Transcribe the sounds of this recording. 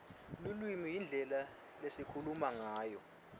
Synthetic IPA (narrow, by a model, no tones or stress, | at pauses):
lulwimijind͡ɮʱɛla | lesikʰulumaŋaːjɔ